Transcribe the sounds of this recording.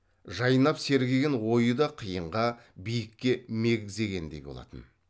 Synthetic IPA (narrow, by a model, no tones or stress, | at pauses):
ʒɑjənɑpse̞ɾɡʲeɡʲenwo̞jəd̪ɑqʰijəɴʁɑ | bijɪkʲːe̞me̞ɡʲɪze̞ɡʲe̞nd̪e̞̰jbo̞lˠɑ̰t̪ə̰n